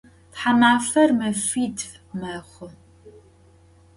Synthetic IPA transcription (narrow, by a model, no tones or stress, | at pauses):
tħamaːfɐrmɐfiːdvmɐχʷʊ